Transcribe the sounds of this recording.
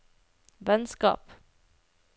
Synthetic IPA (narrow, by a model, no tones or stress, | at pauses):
vɛnskɑ̰ːp